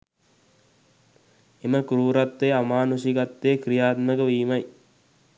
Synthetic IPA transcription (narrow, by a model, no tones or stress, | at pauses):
eməkuɾuːɾat̪ːeamaːnusiɡat̪ːeːkɾijaːt̪məɡəʋiːmɐj